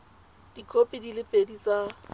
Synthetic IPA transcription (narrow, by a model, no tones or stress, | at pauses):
d̥ikʰopʼidilɪpʼedit͡sʼa